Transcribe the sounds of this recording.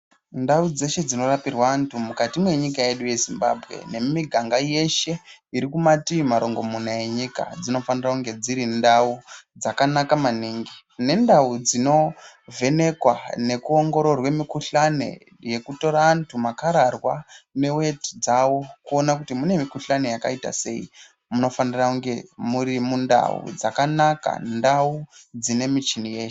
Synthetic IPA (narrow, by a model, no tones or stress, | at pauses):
ndaud͡ze̞ʃe̞d͡zino̞rapirwaːntʰumukatimwe̞ɲikaje̞ɗuje̞zimbabʱɣe̞̰ne̞miɡʱaŋɡaje̞ʃe̞iɾikumatimaɾo̞ŋɡo̞munaje̞ɲika̰d͡zino̞fanirakuŋɡe̞d͡ziɾindaud͡zakanakamaniːŋɡi | ne̞ndaud͡zino̞ve̞ne̞kwane̞kuoŋɡo̞ɾo̞rwe̞mikuɬane̞̰ | je̞kuto̞ɾaːntʰumakaɾarwane̞we̞ti̥d͡zawo̞kuonakutimune̞mikuɬane̞jaka̰ita̰se̞̰ḭ | muno̞fanirakuŋɡe̞muɾimunda̰ṵd͡zakanaka̰ndaud͡zine̞mit͡ʃinije̞ːʃe̥